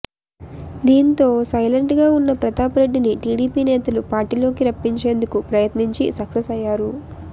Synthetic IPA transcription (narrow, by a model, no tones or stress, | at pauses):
d̪iːnt̪o̞ːsɐjlɐɳʈɡaːunːɐpɾɐt̪aːpɾeɖːiniʈiːɽiːpiːnɛːt̪ɐlupaːɾʈiːlo̞ːkiɾɐpːiɲt͡ʃe̞ːnd̪ukupɾɐjɐt̪niɲt͡ʃisɐksesɐjːaːɾu